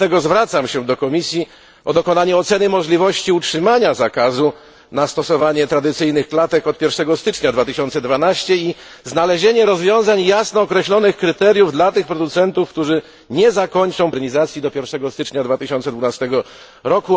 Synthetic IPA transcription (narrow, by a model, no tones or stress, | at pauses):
t̪ɛɡɔzvɾat̪samɕɛd̪ɔkɔmʲisʲji | ʔɔd̪ɔkɔnaɲɛɔt̪sɛnɘmɔʐlʲivɔɕt͡ɕiutʂɘmaɲazakazu | nast̪ɔsɔvaɲɛt̪ɾad̪ɘt̪sɘjnɘxklat̪ɛkɔt̪̚pʲjɛɾfʂɛɡɔst̪ɘt͡ʂɲad̪vat̪ɘɕɔnt̪sɛd̪vanaɕt͡ɕɛi | znalɛʑeɲɛɾɔzvʲjɔ̃w̃zaɲjasnɔːkɾɛɕlɔnɘxkɾɘt̪ɛɾjuvd̪lat̪ɘxpɾɔd̪ut̪sɛnt̪ufkt̪uʐɘ | ɲɛzakɔɲt͡ʂɔw̃pɾɛɲʲizat̪sʲjid̪ɔpʲjɛɾfʂɛɡɔst̪ɘt͡ʂɲad̪vat̪ɘɕɔnt̪sɛd̪vunast̪ɛɡɔ | ɾɔku